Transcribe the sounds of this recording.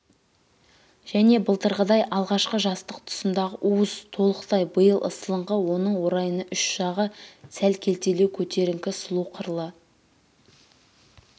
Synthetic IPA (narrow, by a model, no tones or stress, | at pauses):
ʒ̥æne̞bəlˠt̪əɾʁəd̪ɑjʔɑlˠʁɑʃqəʒɑst̪əqt̪ʰʊ̥sənd̪ɑʁəʔuəzt̪ʰo̞lˠəqt̪ɑjbəjəlˠʔə̰səlˠəɴʁəwo̞nəɴwo̞ɾɑjənəʔʏʃʃɑʁəsælkʲʰe̞lt̪e̞lewkʲʰɵt̪e̞ɾɪŋkʲɪsʊlˠuqʰəɾlˠə